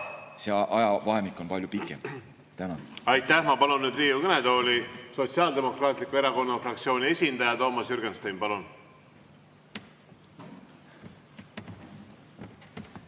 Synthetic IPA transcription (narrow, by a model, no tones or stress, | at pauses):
seʔɑjɑvɑɦemikːˑo̞npɑlʲjupikːˑem | t̪ænɑɑjt̪ːˑæhmɑpɑlunnːyːd̪ɾiːukɤned̪o̞ːlʲiso̞t̪siɑːld̪e̞mo̞krɑːt̪ˑlikːˑue̞ɾɑko̞nːɑfrɑk̚t̪sio̞ːnʲie̞sʲind̪̥ɑjɑt̪o̞ːmɑsjyɾɡ̥enst̪ejmpɑlun